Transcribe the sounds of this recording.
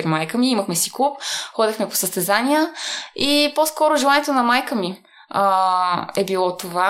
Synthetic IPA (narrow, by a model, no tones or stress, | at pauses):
ɾimajkəmiiməxmɛsikˠupxɔd̪ixmɛpo̥səst̪ɛzanijəiposkɔɾʊʒɛlˠanʲɛt̪onɐmajkəmi | ɛbilˠɔt̪ova